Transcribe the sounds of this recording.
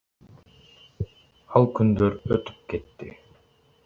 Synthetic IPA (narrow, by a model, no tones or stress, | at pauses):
ɑlˠkynd̪øɾøt̪y̥p̚kɛt̪ːḭ